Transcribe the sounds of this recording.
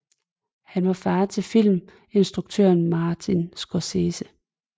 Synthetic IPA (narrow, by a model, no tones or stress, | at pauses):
hænʋɑ̈fæːɐt͡sʰe̝lfil̰m | e̝nsd̥ʁuɡ̥̚t͡sʰø̰ɐnmɑ̈ːt͡sʰinsɡ̥oseːsə